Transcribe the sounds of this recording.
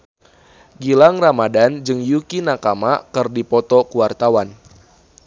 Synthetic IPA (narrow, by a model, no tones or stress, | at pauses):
ɡilaŋramadand͡ʒɨŋjukinakamakɨrdipɔt̪ɔkuwart̪awan